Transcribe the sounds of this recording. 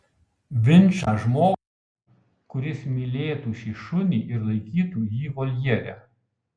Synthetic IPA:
ʋʲɪnʲˑt͡ʃɑʒmoː | kʊɾʲɪsmʲiːlʲeːt̪uːʃʲiːʃʊnʲiːʔɪɾlˠɐɪkʲiːt̪uːjiːkɔlʲjɛɾʲæ̰

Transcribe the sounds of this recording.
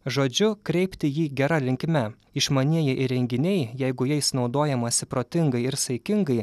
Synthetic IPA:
ʒoːd͡ʒʲʊkɾʲɛɪpʲt̪ʲɪjiːɡʲɛɾɐlʲɪŋʲkʲmʲɛ | ɪʃmɐnʲiɛjɛʔɪɾʲɛŋʲɡʲɪnʲɛɪjɛɪɡʊjɛɪsnɒʊd̪oːjɛmɐsʲɪpɾoːt̪ʲɪŋɡɐɪɪɾsɐɪkʲɪŋɡɐɪ

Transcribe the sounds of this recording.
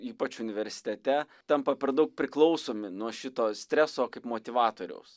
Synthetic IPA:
iːpɐt͡ʃʊnʲɪʋʲɛɾʲsʲɪ̥t̪ʲɛt̪ʲɛ | t̪ɐmpɐpʲɛrd̪ɐʊk̚pʲɾʲɪklˠɒʊsoːmʲɪnuɔʃʲɪt̪oːsʲt̪ʲɾʲæsoːkɐɪpmoːt̪ʲɪʋɑːt̪oːɾʲɛ̰ʊs

